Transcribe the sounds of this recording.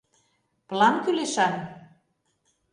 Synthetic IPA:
plɑnkyleʃɑn

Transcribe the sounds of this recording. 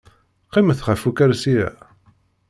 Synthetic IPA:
qːiməθχæfukæɾsijæ̰

